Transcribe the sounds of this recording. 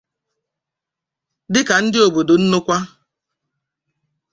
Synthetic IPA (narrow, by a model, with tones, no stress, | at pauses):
dɪ˦ka˨n̩˦dɪ˦o˨bo˨do˨n̩˦nʊ˦kʷa˦